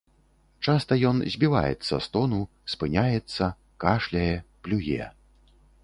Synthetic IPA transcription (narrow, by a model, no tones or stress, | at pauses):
t͡ʂast̪ɐjɔnzʲbʲiva̰jɛ̰t̪sːɐ̰st̪ɔnu | spɨnʲajɛt̪sːɐ | kaʂlʲɐjɛplʲujɛ̰